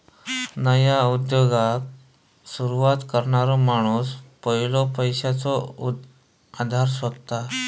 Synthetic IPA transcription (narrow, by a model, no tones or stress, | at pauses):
nəjaud̪joɡak̚ | suɾuʋat̪kəɾɳaɾɔmaɽ̃uːspəɦilɔpəjɕat͡sɔ | ad̪ʱaɾsʋət̪t̪ːa